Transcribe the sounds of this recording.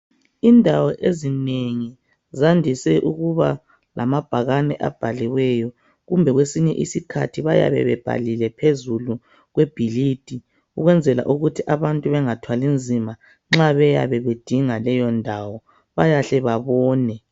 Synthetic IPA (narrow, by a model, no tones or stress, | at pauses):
indʱawɔʔezineŋi | zandʱisɛʔuɣuβa̰ | la̰mab̥ʱaɣanɛ̰ʔa̰b̥ʱaliwɛjɔ | ɣumbʱɛɣwesiɲɛ̰ʔisikʰa̰tʰiβaja̰βɛ̰βɛb̥ʱa̰lilɛpʰezulu | ɣwɛb̥ʱilid̥ʱi | uɣwɛnd͡zʱɛla̰ʔuɣutʰiʔaβantʼuβɛŋatʰwalind͡zʱima | ŋ͡ǁaβɛja̰βɛβed̥ʱiŋalɛjɔndʱawɔ | βajaɬɛβaβɔːnɛ